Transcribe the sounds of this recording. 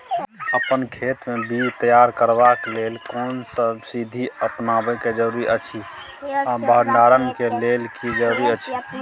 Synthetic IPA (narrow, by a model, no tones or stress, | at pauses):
əpənkʰeːt̪mebid͡ʒt̪əjaɾkəɾbaklelkonsəbsid̪ʱiəpnabɛked͡ʒəɾuɾiʔət͡ʃʰi | abəɳɖaɾənkelelkid͡ʒəɾuɾiət͡ʃʰi̥